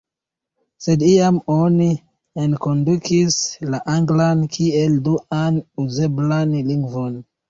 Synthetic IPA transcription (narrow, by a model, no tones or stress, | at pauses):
se̞diamoni | enkondukʰislaʔaŋɡlankʰielduanuze̞blanliŋɡvon